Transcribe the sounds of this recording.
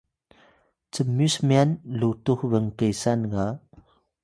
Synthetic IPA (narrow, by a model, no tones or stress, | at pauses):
t͡səmysmianlutuxvəŋkəjsanɡa